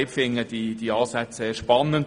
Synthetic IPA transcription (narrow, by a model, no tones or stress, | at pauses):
ɪpfɪŋəd̥id̥iɑːsæt͡sseːɾʃpɑnːənd